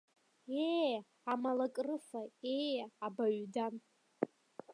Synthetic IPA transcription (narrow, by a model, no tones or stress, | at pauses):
e | amalakʼrɨfaejabaɥdan